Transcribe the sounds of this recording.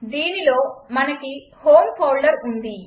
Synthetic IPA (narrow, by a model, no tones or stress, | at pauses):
d̪iːnilo̞ːmɐnɐki | ho̞ːmpʰɐwɭɖɐɾund̪i